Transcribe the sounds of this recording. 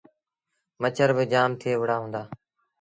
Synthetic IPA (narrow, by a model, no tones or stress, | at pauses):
mət͡ʃʰəɾbɪd͡ʒaːmt̪ʰɪeːʋəɽaːɦũːnd̪aː